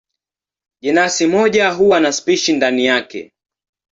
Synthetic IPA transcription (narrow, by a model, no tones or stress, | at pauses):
ʄɛnasimɔʄaɦuwanaspiʃindanijakɛ̰